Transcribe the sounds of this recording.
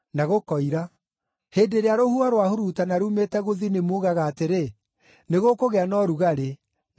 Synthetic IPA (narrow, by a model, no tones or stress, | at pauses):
naɣokɔiɾa | heːdeɾeaɾohuaɾwahoɾutanaɾumetɛɣoðinemoːɣaɣaːteɾe | neɣokoɣɛanɔɾuɣaɾe